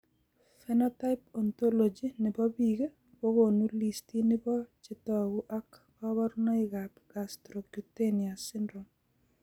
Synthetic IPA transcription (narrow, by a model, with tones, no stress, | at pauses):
fɛnɔ˦ta˦ɪpɔ˨nt̪o˦lo˨d͡ʒi˦nɪ˨bɔ˦biɡe˦ | bɔ˦ɣo˨nu˦li˨sti˦nɪ˦bɔ˦t͡ʃɪ˦tɔ˦ɡu˦ʔa˦kbɔ˦βɔ˦ɾnɔ˦ɪɡapɡ̥astɾo˨ɡu˨te˦nia˨sɪ˦ndɾo˨m